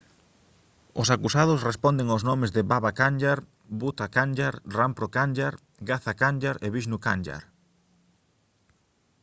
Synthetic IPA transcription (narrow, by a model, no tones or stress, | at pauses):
ʊsakusaðʊsrespɔnd̪eŋoznɔmɪzðɪβaβakand͡ʒaɾ | but̪akand͡ʒaɾrampɾokand͡ʒaɾ | ɡaθakanʲd͡ʒaɾeβiʃnuka̰nʲd͡ʒa̰ɾ